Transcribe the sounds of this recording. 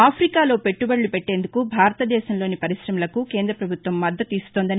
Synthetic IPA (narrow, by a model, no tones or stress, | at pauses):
aːpʰɾikaːlo̞ːpe̞ʈːubɐɽlupeʈːe̞ːnd̪ukubʱaːɾɐt̪ɐd̪ɛːʃɐmlo̞ːnipɐɾisɾɐmulɐkuke̞ːnd̪ɾɐpɾɐbʱut̪ʋɐmːɐd̪ːɐt̪ːiːsu̥t̪ond̪ɐni